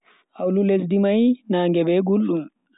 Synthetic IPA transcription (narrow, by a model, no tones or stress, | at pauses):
ʔawlulesdimajnaːŋɡɛbɛɡulːum